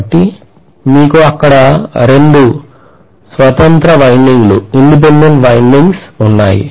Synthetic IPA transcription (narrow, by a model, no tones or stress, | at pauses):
ʈːi | miːkuɐkːɐɽɐɾe̞ɳɖu | sʋɐt̪ɐnt̪ɾɐʋɐjnɖiŋɡluiɳɖip̬eɳɖeɳʈʋɐjnɖiŋɡsunːa̰ːjḭ